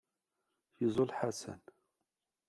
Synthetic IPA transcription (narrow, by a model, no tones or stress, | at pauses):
jəzˤolħasæ̰n